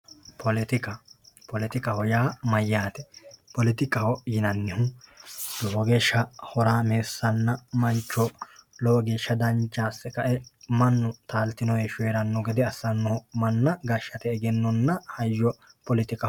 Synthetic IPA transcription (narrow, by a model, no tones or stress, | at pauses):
pɔlɪt̪ɪkɐpɔlɪt̪ɪkʼɐhɔjaːmɐjːaːt̪ɛpɔlɪt̪ɪkʼɐhɔjɪnɐnːɪhʊd̪̥ɔhɔɡeːʃːɐhɔɾaːmeːsːɐnːɐmɐnt͡ʃːɔlɔɡeːʃːɐd̪ɐnt͡ʃːaːsːɛkɐʔɛmɐnːʊt̪aːlt̪ɪnɔɛʃʊeːɾɐnːɔɡɛd̪ɛɐsːɐnːɔhɔmɐnːɐɡɐʃːɐt̪ɛːɡɛnːɔnːɐhɐjːɔ | pɔlɪt̪ɪkʼɐ